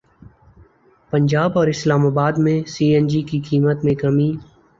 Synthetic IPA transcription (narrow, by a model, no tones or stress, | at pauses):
pə̃ɲd͡ʒaːbɔːɾɪslaːmaːbaːd̪mẽsiːɛ̃nd͡ʒikikiːmət̪mẽkɐmiː